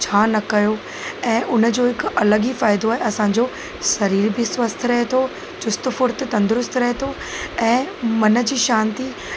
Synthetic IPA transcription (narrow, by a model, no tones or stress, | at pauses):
t͡ɕʰaːnɐkɐjo | ɛ̃ːʔʊnə̆d͡ʑoːɦɪkɐləɠifaːɪd̪oaːɦeɐsãɲd͡ʑoː | sɐɾiːɾbɪsʋɐst̪ʰɾɐɦet̪ʰo | t͡ɕʊst̪fʊɾt̪̆t̪ɐ̃nd̪ʊɾʊst̪ʰɾɐɦet̪ʰo | ɛ̃ːmɐnə̆d͡ʑiːʃãːnt̪i